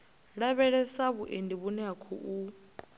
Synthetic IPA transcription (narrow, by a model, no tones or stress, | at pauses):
ɺaβɛɺɛsaβuʔendiβunɛakʰɔʔu